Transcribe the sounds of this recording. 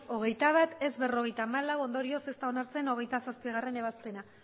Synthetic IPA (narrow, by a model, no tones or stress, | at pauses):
o̞ɣ̞e̞jt̪aβ̞at̪e̞zβe̞ro̞ɣe̞jt̪aːmalawo̞nd̪o̞ɾio̞se̞st̪ao̞naɾt͡se̞no̞ɣe̞jt̪asaspiɣ̞are̞ne̞β̞aspe̞na